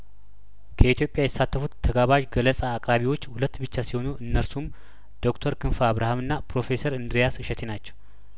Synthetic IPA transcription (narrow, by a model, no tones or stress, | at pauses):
kʰəit̪jo̞pʼjajɛt̪ə̥sat̪ːəfut̪t̪ʰːəɡaβaʒɡələsʼaːkʼɾaβiwo̞t͡ʃːhulət̪ːbɨt͡ʃːasiho̞nuʔɨnːəɾsum | d̪̥o̞kt̪ʰəɾkʰɨnfaaβɾahamɨnːapɾo̞fe̞səɾɨnd̪ɾijasɨʃɛt̪ʰenat͡ʃːɛw